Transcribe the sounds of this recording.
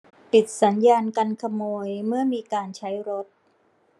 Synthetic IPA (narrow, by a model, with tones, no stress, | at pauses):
pi˨˩t̪̚sa˩˦njaː˧nka˧nkʰa˧moː˧jmɯ˥˩ɐmiː˧kaː˧nt͡ɕʰa˦˥jɾo˦˥t̪̚